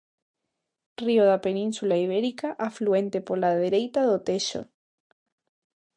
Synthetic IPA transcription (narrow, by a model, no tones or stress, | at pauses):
rioðapenĩnsulaiβ̞eɾikaʔafluent̪epolaðeɾejt̪aðot̪eʃo̰